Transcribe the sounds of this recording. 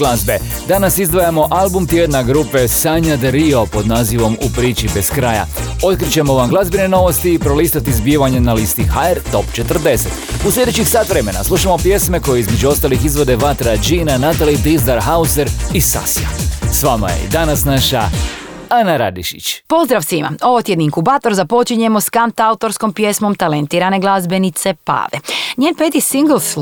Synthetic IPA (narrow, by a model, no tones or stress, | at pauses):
lazbe̞ | d̪anasizd̪ʋajamo̞ʔalˠbumt̪jed̪naɡɾuːpe̞saɲad̪ɾio̞po̞d̪naːziʋo̞mupɾiːt͡ʃibe̞skɾaja̰o̞t̪̚kɾit͡ɕe̞mo̞ʋamɡlˠazbine̞no̞ʋo̞st̪iːpɾo̞list̪at̪izbiʋaɲe̞nalist̪ixaeɾt̪o̞pt͡ʃet̪ər̩d̪e̞set̪uslʲe̞d̪et͡ʃixsaːt̪ʋɾe̞me̞na̰slˠuʃamo̞pje̞sme̞ko̞jeizme̞d͡ʒuo̞st̪alixizʋo̞d̪e̞ʋat̪ɾad͡ʒinanat̪alid̪izd̪aɾɦauzeɾisa̰sia̰sʋama̰je̞̰ḭd̪anasnaʃa | anaɾa̰d̪iʃḭt͡ɕpo̞zd̪ɾaʋsʋima̰o̞ʋot̪jed̪niŋkubaːt̪o̞ɾzapo̞t͡ʃiɲe̞mo̞skant̪aut̪o̞ɾsko̞mpje̞smo̞mt̪alent̪iːɾane̞ɡlˠazbe̞nit̪se̞pa̰ːʋeɲjeːnpet̪isiŋɡl̩s